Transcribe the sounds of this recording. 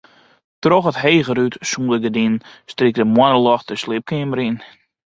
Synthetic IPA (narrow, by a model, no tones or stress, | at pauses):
trɔxətɦeːɣəɾytsũːdəɡədinstrik̚dəmwɔnəlɔxtəslɪp̚kɪməɾin